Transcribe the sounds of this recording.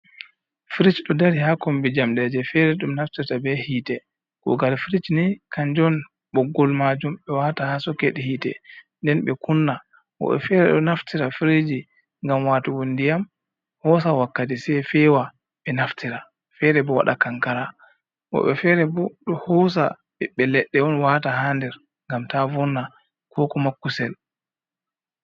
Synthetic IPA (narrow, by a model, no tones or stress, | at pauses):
fiɾit͡ʃɗɔdaɾihakɔmbid͡ʒamɗɛd͡ʒɛfɛɾɛɗumnaftiɾtabɛhiːtɛ | kɔ̰ɡalfiɾit͡ʃnikʰaɲd͡ʒɔn | ɓɔɡɔlmad͡ʒumɓɛwatahasɔkeɗihiːtɛ̰ndɛnɓɛkunːa | wɔ̰ɓɛ̰fɛːɾɛɗɔnaftiɾafiɾid͡ʒi | ŋɡamwaːtuwondijam | hɔs̬awakːatisɛfɛwa | ɓɛnaftʰiɾa | fɛɾɛbɔwa̰ɗakaŋkaɾa | ʔɔ̰ɓɛfɛɾɛbɔɗɔhɔs̬a̰ | ɓɛɓɛlɛɗːɛɔnwataɦandɛɾ | ŋɡamtavɔnːa | kʰɔkɔmakːusɛl